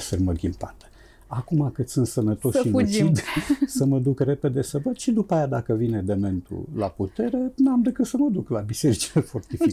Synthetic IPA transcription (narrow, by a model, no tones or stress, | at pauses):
ferməɡʲimpat̪ə̥ | akumakɨt̪sɨnt̪sənət̪o̞sʃiut͡ʃid̪səməd̪ukre̞pe̞d̪e̞səvəd̪ʃid̪upaːjad̪akəvine̞d̪eme̞nt̪ṵla̰put̪e̞ɾe̞namd̪ekɨt̪səməd̪uklabise̞ɾit͡ʃilefort̪ifi